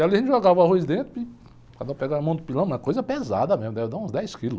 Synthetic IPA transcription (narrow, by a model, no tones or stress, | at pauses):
aliɐʒẽt͡ʃɪʒoɡavahojzd̪ẽnt̪ɾʊɪ | kad̪ɔpɛɡaɐmɐ̃w̃d̪ʊpilɐ̃ñɛkojzɐpɛza̰d̪ɐmezmʊd̪ɛvɪd̪aũzd̪ɛjskilʊ